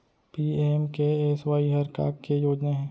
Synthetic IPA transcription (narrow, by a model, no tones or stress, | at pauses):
piːemkeeːsʋaːiɦɐɾka̰ːkejoːd͡ʒnaɦɛ̃ː